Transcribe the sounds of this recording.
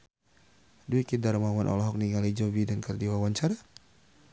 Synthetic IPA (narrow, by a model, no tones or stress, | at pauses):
duikidarmawanʔɔ̰lɔɦɔk̚niŋalid͡ʒɔbidankərdiwawaɲt͡ʃaɾa